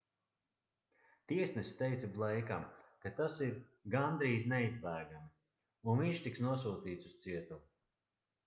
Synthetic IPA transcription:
t̪iɛsnɛst̪ɛjt̪sablˠɛjka̰mkat̪asiɾɡand̪ɾiːznɛizbæːɡam | unviɲʃt̪iksnuɔs̬uːt̪iːt̪sust̪siɛt̪u

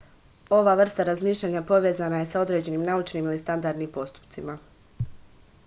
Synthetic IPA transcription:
o̞ʋaʋr̩st̪aɾazmiːʃʎʲaɲapo̞ʋe̞ːzanaje̞sao̞d̪ɾe̞ːd͡ʑe̞nimnaut͡ʃniːmilist̪and̪aɾd̪nimpo̞st̪u̥pt̪sima

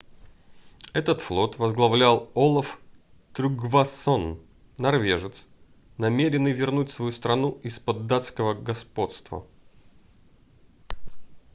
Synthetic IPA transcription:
ɛt̪ət̪flˠo̞t̪vəzɡlˠɐvlʲalˠolˠəf | t̪ɾʲʊɡvasonː | ɐrvʲeʐɨt̪s | nɐmʲeɾʲɪnːɨjvʲɪrnutʲsvɐjust̪ɾɐnuɪspəd̪ːat̪skəvəɡɐspo̞t̪st̪və̰

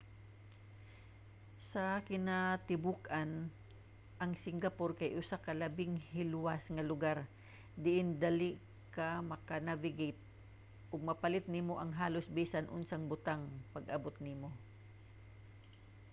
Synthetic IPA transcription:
sɐkɪnat̪ɪbukʔan | ʔɐŋsɪŋɡɐpoɾkɐjʔʊsakɐlɐbɪŋhɪlwasŋɐlʊɡaɾ | d̪ɪʔɪnd̪ali | kɐmɐkanavɪɡit̪̚ | ʔʊɡ̚mɐpɐlɪt̪̚nimoʔɐŋɦaːlosbiːsɐnʔʊnsaŋbʊt̪aŋpɐɡʔɐbot̪̚nimo

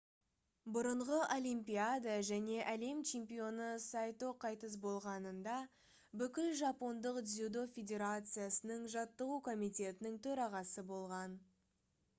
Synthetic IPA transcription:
bʊɾəɴʁəʔolʲijmpiad̪aʒæne̞ʔæle̞mt͡ʃʰe̞mpijo̞nəsɑjt̪o̞qʰɑjt̪əs̬bo̞lˠʁɑnənd̪ɑ | bʏkʲɪlʒɑpo̞nd̪əqd̪zʲud̪o̞fʲe̞d̪ʲe̞ɾat̪sɨjasənəɴʒɑt̪ːəʁukʰo̞mijt̪e̞t̪ɪnɪŋt̪ʰɵɾɑʁɑsəbo̞lˠʁɑn

